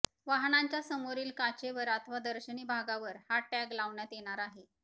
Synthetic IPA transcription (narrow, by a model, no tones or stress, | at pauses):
ʋaɦɳaɲt͡ɕjasəmoɾiːlkat͡ɕeʋəɾat̪ʰəʋad̪əɾɕəɳiːbʱaɡaʋəɾhaʈaɡlaʋɳjat̪jeɽ̃aɾaɦe